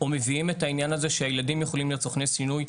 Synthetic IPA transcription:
ome̞viime̞tainjanaze̞ʃeajeladimjeχo̞limlet͡soχnesinuj

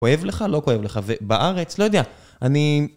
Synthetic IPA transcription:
oe̞vle̞χalo̞ko̞je̞vle̞χavebaʔaʁe̞t͡slo̞jod̪ea | ani

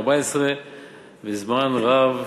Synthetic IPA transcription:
baɪsʁə | vizmanʁav

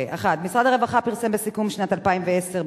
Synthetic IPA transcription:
aχad̪̚misʁad̪aʁevaχapiʁsembesikumʃnat̪alpaimveeseʁ

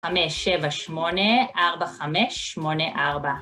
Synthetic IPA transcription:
ameʃevaʃmo̞neʔaʁbaχameʃːmo̞neʔaʁba

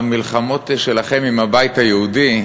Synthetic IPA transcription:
milχamo̞t̪ʃelaχe̞mimhabajit̪hajeud̪i

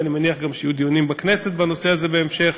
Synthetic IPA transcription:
animeniaχɡamʃejud̪ionimbakne̞set̪bano̞se̞aze̞beːmʃe̞χ

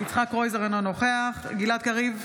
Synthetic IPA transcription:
it͡sχakʁojzeʁanano̞χeaχɡilat̪̚kaʁiv

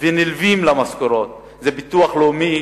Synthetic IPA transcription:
venilvimlamaskoɾot̪̚ | zebit̪uaχloːmi

